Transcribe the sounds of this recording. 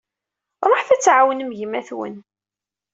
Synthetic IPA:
ɾˤɑħθæt͡sːʕawənəmʝəmæθwə̰n

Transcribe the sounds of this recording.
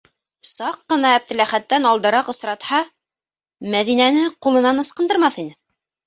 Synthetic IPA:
sɑqːɤ̆nɑæb̚t̪ɘ̆læχæt̪ːænɑlˠd̪ɤ̆ɾɑqɤ̆sɾɑt̪hɑ | mæðinænɘqulˠɤ̆nɑnɤ̆sqɤ̆nd̪ɤ̆ɾmɑθinɘ

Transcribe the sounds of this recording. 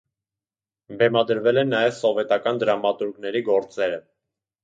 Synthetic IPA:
bɛmɑd̪əɾvɛlɛnːɑjɛvsɔvɛt̪ɑkɑnd̪əɾɑmɑt̪uɾɡnɛɾiɡɔɾt͡sɛɾə

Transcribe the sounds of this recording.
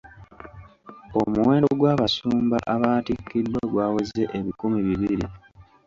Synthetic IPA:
o̞muwe̞ːndoɡwaːβasuːmba̰ʔaβaːtikːidwaɡwaːweze̞ʔeβikumiβiβiɾḭ

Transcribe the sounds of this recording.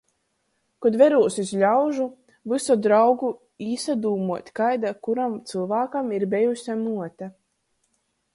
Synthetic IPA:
kɔd̪vɛɾuːsisʎʲawʒu | vɨsɔd̪ɾawɡu | iːsad̪uːmuɔt̪ʲkajd̪akuɾamt̪sɨlˠvaːkamiɾbɛjusʲamuɔt̪a

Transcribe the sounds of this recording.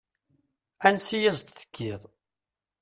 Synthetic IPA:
ænsijæzt̪θə̥kʰːiðˤ

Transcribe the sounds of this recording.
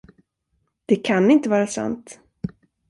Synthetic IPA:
d̪̥ɛkʰanɪnt̪əvɑːɾasa̰nt̪

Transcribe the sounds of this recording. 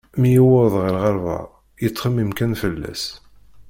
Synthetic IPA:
mjiwəðˤʁəɾʁɑɾˤvɑ̰ | jət͡sːˤχəmːimkænfəlːæ̰s

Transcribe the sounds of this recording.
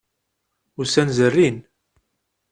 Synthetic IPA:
ʊɾsænzərːin

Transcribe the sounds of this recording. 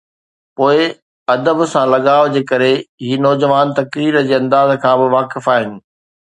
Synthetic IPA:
poːɪ | ɐd̪əbsãlɐɠaːd͡ʑeːkɐɾeɦiːnɔːd͡ʑəʋaːnt̪ɐkɾiːɾəd͡ʑeːɐ̃nd̪aːzkʰãːbɪʋaːkɪfaːɦɪnɪ̆

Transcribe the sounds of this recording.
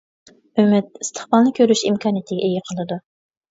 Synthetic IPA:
ymɪt̪̚ist̪ʰə̥χbɑlˠnɨkʲʰøɾyʃimkʲʰɑːnijit̪ʰɪɡʲɛʔeɡʲɪqʰəlˠɨd̪u

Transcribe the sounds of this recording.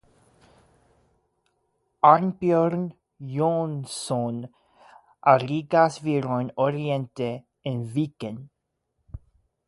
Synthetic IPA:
anbjøɾn | jonsɔn | ʔaɾiɡasviɾɔnɔɾiɛnt̪e | envikɛn

